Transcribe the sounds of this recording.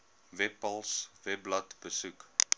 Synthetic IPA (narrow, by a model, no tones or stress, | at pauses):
vɛpɐlˠsvɛplɐtbəsuk